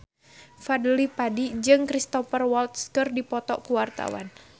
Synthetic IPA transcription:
fadəlipadid͡ʒɨŋkɾist̪ɔfərwɔlt̪skɨrdipɔt̪ɔkuwart̪a̰wa̰n

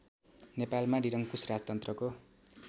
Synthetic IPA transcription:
nepalmaɖiɾʌŋkusrad͡zt̪ʌnt̪rʌko

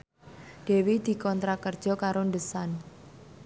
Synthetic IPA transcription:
d̥e̤wid̪̥i̤kɔnt̪ɾakərd̥ʒ̥ɔ̤kaɾoɳɖəsan

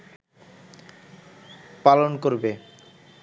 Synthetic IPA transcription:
palonkoɾbe

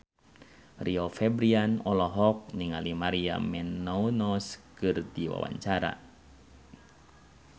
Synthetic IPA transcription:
riɔfɛbɾianɔlɔɦɔk̚niŋalimaɾia̰mɛnːɔunɔskɨrdiwa̰wa̰ɲt͡ʃaɾa̰

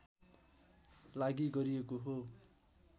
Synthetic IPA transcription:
laɡiɡʌɾiekoɦo

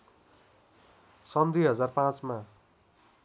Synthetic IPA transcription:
sʌmd̪ʱiɦʌd͡zarpãt͡sma

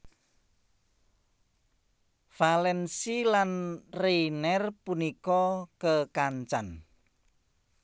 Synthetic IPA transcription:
falɛnsilanrenɛrpunikɔkəkaɲt͡ʃan

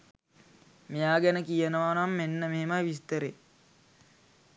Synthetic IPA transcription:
mejaːɡɛnəkijənəʋanamːenːəmeɦemajʋist̪əɾe

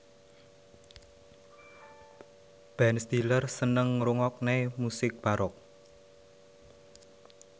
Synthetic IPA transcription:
b̥ɛnst̪ilərsənəŋɾuŋɔk̚nemusɪk̚b̥aɾʔɔk̚

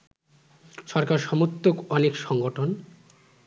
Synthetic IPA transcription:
ʃɔɾkaɾʃɔmot̪ːokɔnekʃɔŋɡoʈʰon

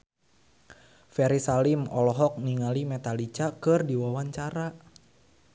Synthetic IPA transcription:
fɛɾisalimɔlɔɦɔk̚niŋalimɛt̪alit͡ʃakɨrdiwawaɲt͡ʃaɾa

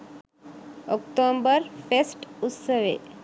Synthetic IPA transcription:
ɔkʈombəɾfʰesʈut̪səʋḛ

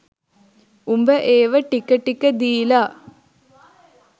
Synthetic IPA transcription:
umbəʔeːʋəʈikːɐʈːikːəd̪iːla

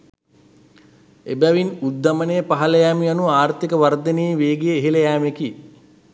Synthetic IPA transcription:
ebæʋinud̪ːɐmənejːpaɦɐləjæːmianuaːrt̪ikəʋaɾd̪eniːʋeːɡijeːɦiləjæːmeki

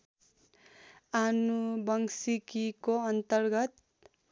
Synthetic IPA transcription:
anubʌŋsikikoʌnt̪ʌrɡʌt̪

